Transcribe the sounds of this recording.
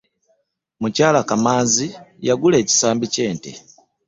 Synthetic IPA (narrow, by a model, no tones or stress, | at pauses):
mucaːlakamaːnzijaɡule̞ːci̥saːmbice̞ːntḛ